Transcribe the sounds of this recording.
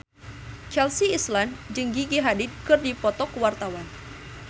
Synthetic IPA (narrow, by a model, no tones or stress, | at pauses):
t͡ʃɛlsiːsland͡ʒəŋɡiɡiɦadid̪̚kɨrdipɔt̪ɔkwart̪awan